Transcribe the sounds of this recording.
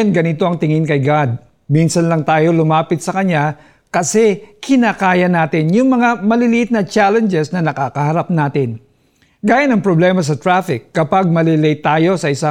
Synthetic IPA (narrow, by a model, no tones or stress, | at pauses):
nɡɐnɪt̪o̞ʔɐŋt̪ɪŋɪnkɐjɡad̪̚ | minsɐnlɐŋt̪aːjo̞lʊmaːpɪt̪sɐkɐɲa | kɐsɛkɪnaːkaːjɐnaːt̪ɪnjʊŋmɐŋamɐlɪlɪʔɪt̪̚nɐt͡ʃalɛnd͡ʒɛsnɐnɐkaːkɐhɐɾap̚naːt̪ɪn | ɡaːjɐnɐŋpɾoblɛːmɐs̬ɐt̪ɾafɪkːɐpaɡ̚mɐlɪlɛjt̪aːjo̞sɐɪsa